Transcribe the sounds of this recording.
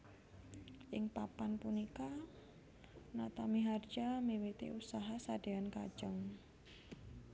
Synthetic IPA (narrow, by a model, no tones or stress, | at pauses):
ʔɪŋpapanpunika | nat̪amiɦard͡ʒamiwit̪ḭʔusaɦasad̥eanka̰̥ʒ̥əŋ